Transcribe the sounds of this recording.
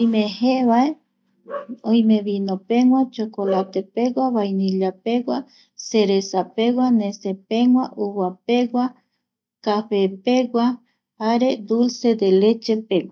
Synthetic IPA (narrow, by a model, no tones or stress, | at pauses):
oimẽheβae | õj̃mẽʋinõpeŋʷat͡ʃokolat̪epeɡʷaβajnĩlapeɡʷa | seɾesape̞ɡwanẽsepeŋʷaʔuwape̞ɡʷa | kafe̞peɡʷa | aɾe̞d̪ulse̞d̪elet͡ʃe̞pewʷa